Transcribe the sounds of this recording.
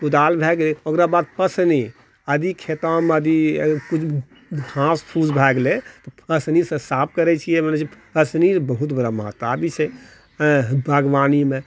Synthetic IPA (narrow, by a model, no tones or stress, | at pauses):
ud̪albʱɛɡleokɾabad̪̚pəsni | əd̪ikʰet̪aməd̪ikut͡ʃʰ | ãspʰud͡ʒbʱɛɡlet̪ɔpʰəsnisə̃sap̚ʰkəɾɛt͡ʃʰijɛmenet͡ʃʰipəsnisbəɦut̪bəɾaməɦə̰t̪ːabʱit͡ʃʰɛ | bʱəɡʋanime